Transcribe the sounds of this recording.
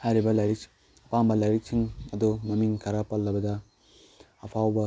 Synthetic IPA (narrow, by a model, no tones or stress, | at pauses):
aɾibɐlɐɾik̚t͡ʃ | pambɐlɐɾik̚t͡ʃʰiŋɐd̪omɐmiŋkʰɐɾapɐlːɐbɐd̪a | ɐpʰawbɐ